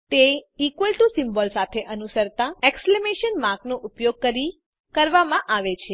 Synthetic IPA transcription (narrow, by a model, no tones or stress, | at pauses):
t̪eikʋəlʈusimbɔlsat̪ʰeʔənusəɾt̪aekslemeʃənmãknoʔupjoɡ̚kəɾi | kəɾʋamãʔaʋet͡ʃʰe